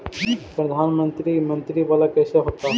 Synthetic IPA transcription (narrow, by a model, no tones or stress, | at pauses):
pɾəd̪ʱanmənt̪ɾimənt̪ɾiʋalakɛseɦot̪a